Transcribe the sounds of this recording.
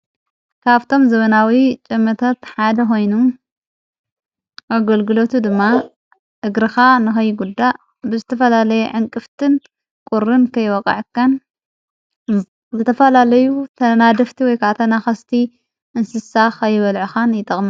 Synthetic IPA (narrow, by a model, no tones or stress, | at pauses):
kʰaβt̪ʰo̞mzɐβɐnawit͡ʃʼɨmːɐt̪ʰat̪ħad̪ɐko̞jnu | ʔaɡɐlɡɨlo̞t̪ʰud̪ɨmːa | ʔɨɡɾɨxanɨxɐjːɡud̪ːaʔ | bɨzɨt̪ʰɐfɐlalɐjɛʕɨŋkʼɨft̪ʰɨn | kʼuɾɨnkʰɐjwɐkʼɐ̰ʕɨkːan | zɨt̪ʰɐfɐlalɐjut̪ʰɐnad̪ɐft̪ʰiwɔjkʰaʔt̪ʰɐnaxɐst̪ʰi | ʔɨnsɨsaxɐjːɪβɐlʕuxanjɪt̪ʼɐχʼmɨ